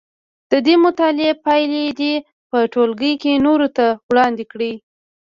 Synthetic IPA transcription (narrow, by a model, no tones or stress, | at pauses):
d̪̥əd̪emʊt̪ɑlɪepajled̪i | pəʈolɡəjkenoɾot̪awɽɑnd̪ekɽi